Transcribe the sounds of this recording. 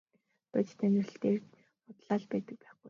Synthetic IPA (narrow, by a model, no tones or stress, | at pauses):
p̪æt͡ɕt̪ʰænɪ̆rɬt̪eːr | pʊt̪ɮaːɮpæːt̪ə̆k̚pæːχɡuj